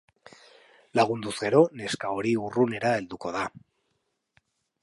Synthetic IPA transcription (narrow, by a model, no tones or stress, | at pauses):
laɣ̞und̪uzɡe̞ɾo̞ne̞skao̞ɾiurune̞ɾae̞ld̪uko̞ða